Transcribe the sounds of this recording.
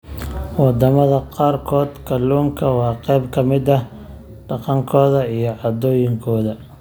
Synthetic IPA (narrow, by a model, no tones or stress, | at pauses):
wɑd̪ɐmɐðɐqɑːrkʰɔːd̪kʰɐlːuːmkʰɐwɑːqɛjbkʰɐmɪd̪ɐ | ɖ̥ɑqɑŋkʰɔːðɐijɞʕɑd̪ɔːjɪŋkʰɔːðɐ